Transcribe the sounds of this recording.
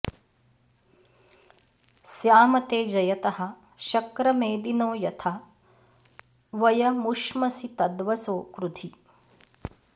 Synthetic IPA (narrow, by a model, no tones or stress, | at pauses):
sjaːmɐt̪eːd͡ʒɐjɐt̪ɐɦɐ̆ | ʃɐkɾɐmeːd̪inoːjɐt̪ʰa | ʋɐjɐmuʃmɐsit̪ɐd̪ʋɐsoːkɾut̪ʰi